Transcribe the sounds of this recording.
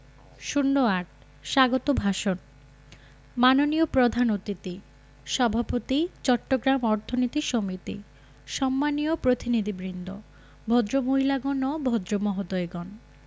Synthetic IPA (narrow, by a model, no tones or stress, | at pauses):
ʃunːoaʈ̚ | ʃaɡot̪obʱaʃon | manoniopɾod̪ʱanot̪it̪i | ʃɔbʱapot̪it͡ɕɔʈːoɡɾamɔɾt̪ʰonit̪iʃomit̪ḭ | ʃɔmːaniopɾot̪inid̪ʱibɾind̪ʱo̰ | bʱod̪ɾomoɦilaɡonɔbʱɔd̪ɾomɔɦod̪ɔeɡɔn